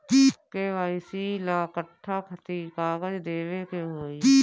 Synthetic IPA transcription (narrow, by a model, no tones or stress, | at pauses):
keːʋaːɪsilaːkəʈʰːaːkʰət̪ikaːɡəd͡ʒd̪eːʋeːkeɦoːi